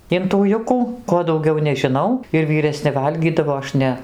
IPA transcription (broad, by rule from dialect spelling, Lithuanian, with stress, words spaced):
ɪn tuː ˈjʊkuː ˈkoː dɐʊˈɡʲɛʊ nʲɛʒʲɪˈnɐʊ ɪr ʋʲiːrʲɛˈsʲnʲɪ ˈʋɐlʲɡʲiːdɐʋoː ˈɐʃ ˈnʲɛ